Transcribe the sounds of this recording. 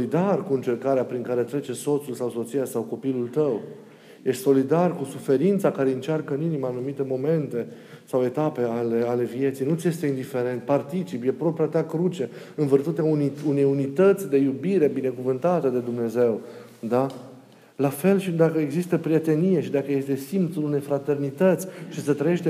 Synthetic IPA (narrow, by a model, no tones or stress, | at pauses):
id̪arkuɨnt͡ʃe̞rkaɾeapɾiŋkaɾe̞t̪ɾe̞t͡ʃeso̞t̪sulsawso̞t̪sijasawko̞pilult̪əw | jeʃt̪ʲso̞lid̪arkusufe̞ɾint̪sakaɾe̞ɨnt͡ʃarkəɨninimaːnumit̪e̞mo̞me̞nt̪e̞ | sawe̞t̪ape̞ale̞ale̞vije̞t̪sijnut̪sje̞st̪e̞ind̪ife̞ɾe̞nt̪̚part̪it͡ʃipje̞pɾo̞pɾiat̪eakɾut͡ʃe̞ | ɨnvərt̪ut̪eauniune̞junit̪ət̪sʲd̪e̞jubiɾe̞bine̞kuvɨnt̪at̪ed̪e̞d̪umne̞ze̞w | d̪a | lafe̞lʃid̪akəeɡzist̪əpɾije̞t̪e̞nijeʃid̪akəje̞st̪e̞simt̪sulune̞jfɾat̪e̞rnit̪ət̪sʲt͡ʃisət̪ɾəjeʃt̪e